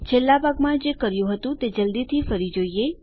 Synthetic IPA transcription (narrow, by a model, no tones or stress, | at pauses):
t͡ʃʰelːabʱaɡmãd͡ʒekəɾjũɦət̪ũt̪ed͡ʒəld̪it̪ʰifəɾid͡ʒoie